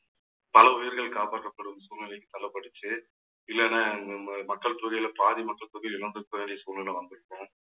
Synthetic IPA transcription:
pɐlɐʊjɪɾɣɐɭkaːpaːʈkːɐpːɐɽɯmsuːnɪlɐkːɯt̪ɐlːɐpːɐɽɯt͡ʃːɯ | ɪlːɛnɐmɐkːɐɭt̪uːðɪjlɐpaːðimɐkːɐɭt̪uːðɪlɪɭɐnd̪ɯɾɯpːɐʋeːɳɖɪjɐsuːnɪlɐʋɐnd̪ɯɾɯpːõ

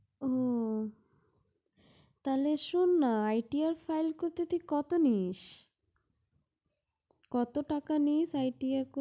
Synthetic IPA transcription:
o | t̪aleʃunːaajʈiaɾfʰajlkoɾt̪et̪ʰikɔt̪oniʃ | kɔt̪oʈakaniʃajʈiaɾko

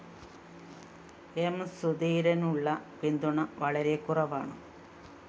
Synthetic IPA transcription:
emsuðiːɾɐnuɭːɐpind̪uɳɐʋɐɭɐɾekːurɐʋaːɳɨ̰

